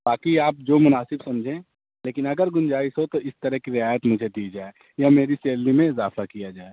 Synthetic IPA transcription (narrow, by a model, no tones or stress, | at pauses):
baːkiaːp̚d͡ʒoːmʊnaːsɪbsɐ̃md͡ʒʱẽː | leːkɪnɐɡəɾɡʊnd͡ʒaːɪsɦot̪oɪst̪əɾəɦkiɾɪaːjət̪mʊd͡ʒʱed̪iːd͡ʒaːe | jameːɾiseːllimẽɪzaːfakijad͡ʒaːe